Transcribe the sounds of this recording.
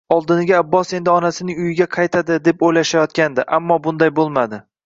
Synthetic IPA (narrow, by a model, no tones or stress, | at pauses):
ɒlˠd̪ɪnɪɡʲaːbːɒse̞nd̪ɪɒnasɪnɪŋʊjɪɡʲaqʰɑjt̪ʰad̪ɪd̪e̞pojlaʃajɒt̪kʲand̪ɪʔamːɒbʊnd̪ajbolˠmad̪ɪ